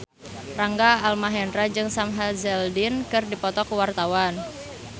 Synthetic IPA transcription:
raŋɡaːlmaɦɛndɾad͡ʒɨŋsamɦazɛldinkɨrdipɔt̪ɔkwart̪awan

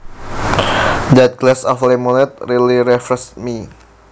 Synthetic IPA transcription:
d̪at̪̚klɛsɔflemonɛt̪̚ɾiliɾɛfɾɛsmi

